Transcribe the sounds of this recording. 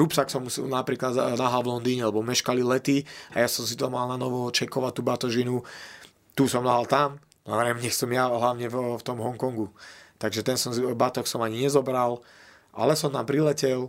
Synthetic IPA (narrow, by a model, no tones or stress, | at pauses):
ɾupsaksɔmunapɾiːklad̪naɦalʋlɔnd̪iːɲɛalɛbɔmɛʃkalilɛt̪iajasɔms̬it̪ɔmalnanɔʋɔt͡ʃɛkɔʋat̚t̪uːbat̪ɔʒinu | t̪uːsɔmnaɦalt̪am | na̰ʋɛɾɛmɲɛsɔmjaɦlaʊɲɛvft̪ɔmɦɔŋkɔŋɡut̪aɡʒɛt̪ɛnsɔmbat̪ɔxsɔmaɲiɲɛzɔbɾal | ʔa̰lɛsɔmt̪ampɾilɛcɛl